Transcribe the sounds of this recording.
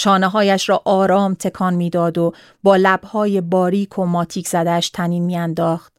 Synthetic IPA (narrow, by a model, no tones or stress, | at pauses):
ʃɒːneɦɒːjæʃɾɒːʔɒːɾɒːmt̪ʰe̞kʰɒːnmiːd̪ɒːd̪o | bɒːlæb̥hɒːje̞bɒːɾiːkʰo̞mɒːt̪ʰiːcʰz̥æd̪ææʃt̪ʰæniːnmiːænd̪ɒːχt̪